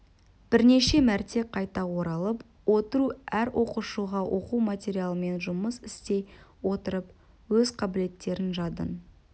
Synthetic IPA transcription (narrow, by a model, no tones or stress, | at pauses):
b̥ɪɾne̞ʃe̞mæɾt̪e̞qʰɑjt̪ɑwo̞ɾɑlˠəp | wo̞t̪əɾuæɾwʔo̞quʃuʁɑwʔo̞qumat̪ʲe̞ɾijalˠəme̞nʒʊməsɪst̪e̞jwo̞t̪əɾəp̚ | wɵzqʰɑbɪle̞t̪ːe̞ɾɪnʒɑd̪ə̰n